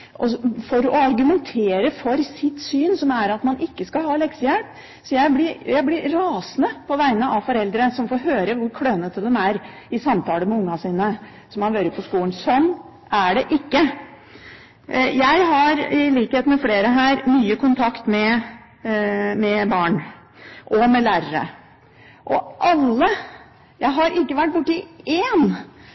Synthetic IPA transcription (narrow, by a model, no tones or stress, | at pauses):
ʔɔfɔɾɔɑɾɡʉmɛnt̪ʰeːɾəfɔɾsɪt̪syːnsɔmæɾɑt̪mɑnʔɪkːəskɑlɦɑːlɛksəjælp | sɔjæɪblɪjæɪblɪɾɾɑːsnəpʰɔʋæɪnəʔɑʋfɔɾɛld̪ɾəsɔmfoɾɦøːɾəʋʊɾkʰɽøːnət̪əd̪ɛmæɾ | ɪsɑmt̪ʰɑːləmɛʊŋːɑsiːnə | sɔmhɑnʋøːɾəpʰɔskuːlənsɔnː | æɖɛʔɪkːə | jæɪɦɑɾɪliːkheːt̪mɛfleːɾəɦæːɾmyːəkʰʊnt̪ʰɑkt̪mɛ | mɛbɑːɳ | ʔɔmɛlæːɾəɾə̰ | ʔɔʔɑlːə | jæɪɦɑɾʔɪkːəʋæʈ̚ːbʊʈːɪeːn